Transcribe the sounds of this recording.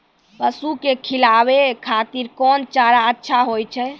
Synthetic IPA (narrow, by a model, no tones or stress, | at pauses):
pəsukekʰilabekʰat̪iɾkɔnt͡ʃaɾaətːʃʰaɦojt͡ʃʰɛ